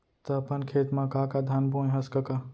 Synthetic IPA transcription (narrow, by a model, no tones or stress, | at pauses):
t̪əɐpənkʰeːt̪mãkaːkad̪ʱanbũɦɐskɐka